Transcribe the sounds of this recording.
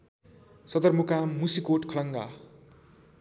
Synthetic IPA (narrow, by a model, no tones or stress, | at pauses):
sʌd̪ʌrmukamusikoʈkʰʌlʌŋɡa̰